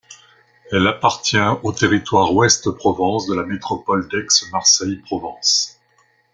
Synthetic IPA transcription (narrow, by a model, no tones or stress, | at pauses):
ɛlapaʁt̪jɛ̃ot̪eʁit̪waʁwɛst̪pχɔvɑ̃sd̪əlamet̪χɔpɔld̪ɛksmaʁsɛjpχɔvɑ̃s